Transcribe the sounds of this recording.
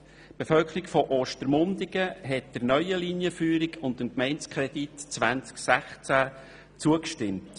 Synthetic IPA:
b̥efœlkʰəɾikfɔʔoːʃtəɾmʊndɪɡ̥əɦɛt̚d̥əɾnœʏəlinjəfyːɾikʊndəmkmɛɪnskʰʁɛd̥itt͡sʋænt͡sksæχt͡sæ | t͡suəkʃtɪmt

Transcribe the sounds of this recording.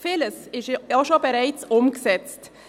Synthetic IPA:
feːləsɪʃɑʃobəɾaɪt͡sʊmɡəsɛt͡st

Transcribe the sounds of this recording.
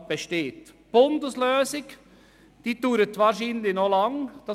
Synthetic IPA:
b̥əʃteːt | b̥ʊndəsløːsɪk | d̥iːd̥yːɾətʋɑːɾʃiːnlɪçnolɑŋd̥ɑ

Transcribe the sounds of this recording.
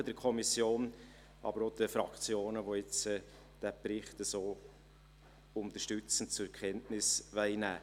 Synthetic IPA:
əd̥̪əɾkʰɔmisjoːn | ɑ̰bəɾod̥̪əfɾɑkt͡sjoːnəʋoɪt͡sɛ | d̥æpɾɪχtəsoː | ʊnt̪əʃtʏt͡sən̩t͡sʊɛɾkʰχɛntnɪsʋɛɪnæ̰ː

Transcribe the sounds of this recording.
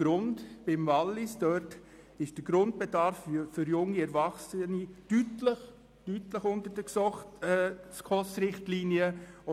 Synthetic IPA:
ɡ̥ɾʊndb̥ɪmvɑlːɪsd̥œɾt | ɪʃd̥əɡɾʊnt̚b̥ɛdɑɾffʏɾjʊŋːiɛɾvɑχsənid̥ytləχ | tytləχʊntəɾd̥əksɔχtɛskʰɔsɾɪχtliːniə

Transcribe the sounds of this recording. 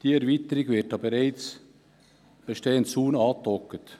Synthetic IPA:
d̥iːɛɾviːt̪əɾiɡvɪt̚ːɑbeɾaɪt͡s | b̥əʃteːəntsuːnɑːt̪ɔkət

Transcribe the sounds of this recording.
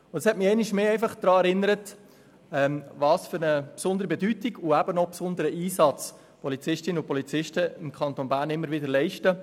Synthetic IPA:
ʊd̥̪ɑshɛtmɪɛɪnɪʃmeːɛɪfɑχd̥̪ɾɑːɛɾɪnːəɾət | ɛːmvɑːsfyɾnəpsʊnd̪əɾibɛdytiɡuæb̥ənɔpsʊnd̪əɾəʔiːsɑt͡s | pɔlit͡sɪʃtɪnəʊpɔlit͡sɪʃtəɪmkχɑnt̪onbæːɾnɪmːəɾʋɪdəɾlɛɪʃtə

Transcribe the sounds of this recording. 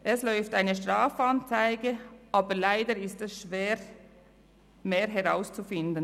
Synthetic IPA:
ʔɛslɔʏftaɪnəʃtʁ̥aːfɑnt͡saɪɡəʔɑːbəɾlaɪdəɾɪstɛsʃv̥eːɾ | meːɾɦɛʁaʊst͡sufɪndən

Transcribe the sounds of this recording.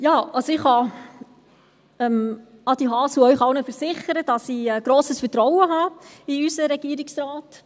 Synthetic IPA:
jɑːɑsoɪχhɑ | ɛm | ɑd̥̪iɦɑːsuœʏχɑwnəfəɾsɪχəɾəd̥ɑsiɛɡ̥ɾoːsəsfəɾtɾɔwəɦɑːiysəɾɛɡ̥iːəɾɪksɾɑːt

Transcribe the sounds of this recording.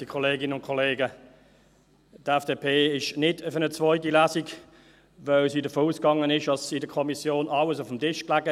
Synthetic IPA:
d̥ikʰɔleːɡɪnəʊntkʰɔleːɡə | tɛfd̥eːpʰeːɪʃnɪdəfənət͡svɔʏtilæːsik | vœlsiːdəfoːuːskɑŋənɪʃɑsidəkʰɔmisjoːnɑwəsʊfmtɪʃklæɡə

